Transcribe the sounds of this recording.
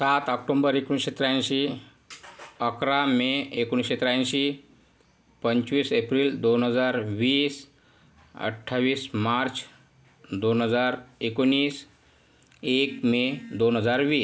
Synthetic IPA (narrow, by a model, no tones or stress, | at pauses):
sat̪ɔk̚ʈõmbəɾekuñɕet̪ɾãɕi | əkɾameekoñiɕet̪ɾãɕi | pəɲt͡ʃʋiːsepɾiːld̪onɦəd͡zaɾʋiːs | ə̰ʈʰːaʋiːsmaɾt͡ʃʰ | d̪onɦəd͡zaɾekonːiːs | ekmed̪onɦəd͡zaɾʋiː